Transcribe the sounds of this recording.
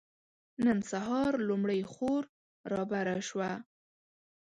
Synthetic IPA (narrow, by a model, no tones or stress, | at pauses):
nənsaɦɑɾlumɽəjxoɾ | ɾɑbaɾaʃwa